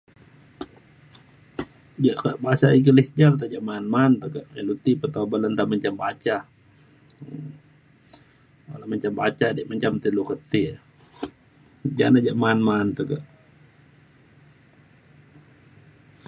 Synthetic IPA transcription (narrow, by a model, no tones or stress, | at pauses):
d͡ʒaʔkaʔbasaikəlihd͡ʒant̪aʔd͡ʒaʔmaːnmant̪əkaʔelut̪ipət̪abalant̪amaɲt͡ʃambat͡ʃa | a̰lahmaɲt͡ʃambat͡ʃadiʔmaɲt͡ʃamt̪ilukət̪i | d͡ʒa̰nad͡ʒaʔmanmant̪əkaʔ